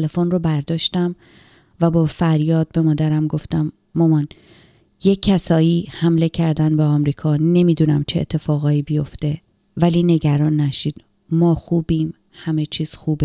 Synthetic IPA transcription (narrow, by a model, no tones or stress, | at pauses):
t̪ʰelefonrobæɾd̪ɒːʃt̪æm | væbɒːfæɾjɒːd̪̥̚be̞mɒːd̪æɾæmɡo̞ft̪æmː | ɒmɒːn | je̞cʰːæsɒːjiːhæmle̞cʰæɾd̪ænbeɒmɾiːkʰɒːne̞miːd̪uːnæmt͡ʃʰeḛt̪ʰːe̞fɒːɣɒːiːbijo̞ft̪e̞ | væliːne̞ɟæɾɒːnːæʃiːd̪̥ | mɒːxuːbiːm | hæme̞t͡ʃʰiːz̥xuːbe